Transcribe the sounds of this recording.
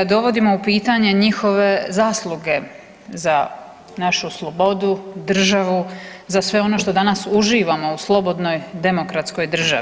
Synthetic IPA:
d̪o̞ʋo̞d̪imo̞upiːt̪aɲe̞ɲixo̞ʋe̞zaːslˠuɡe̞ | za | naʃuslˠo̞bo̞d̪ud̪r̩ʒaʋuzasʋe̞o̞no̞ʃt̪o̞d̪anasuʒiːʋamo̞uslˠo̞bo̞d̪no̞jd̪e̞mo̞kɾat̪sko̞jd̪r̩ʒa̰ʋi

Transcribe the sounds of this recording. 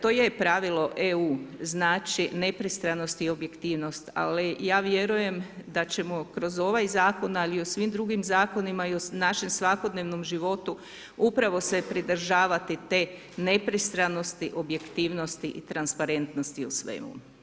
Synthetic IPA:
t̪oːjepɾaʋilo̞ʔeuːznaːt͡ʃine̞pɾist̪ɾano̞st̪io̞bje̞kt̪iːʋno̞st̪a̰lijaːʋje̞ɾuje̞md̪at͡ɕe̞mokɾo̞zo̞ʋajzaːko̞naliosʋimd̪ɾuɡimzaːko̞nimaionaʃe̞msʋako̞d̪neʋnomʒiʋo̞t̪u | upɾaʋo̞se̞pɾid̪ɾ̩ʒaːʋat̪it̪e̞ | ne̞pɾist̪ɾano̞st̪iʔo̞bje̞kt̪iːʋno̞st̪iʔit̪ɾanspaɾe̞nt̪nost̪iusʋḛmṵ

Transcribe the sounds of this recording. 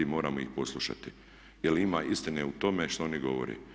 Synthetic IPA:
imo̞ːɾamoixpo̞slˠuʃa̰t̪i | jelimaːʔist̪ineut̪o̞meʃt̪o̞oniɡo̞ʋo̰ɾḛː

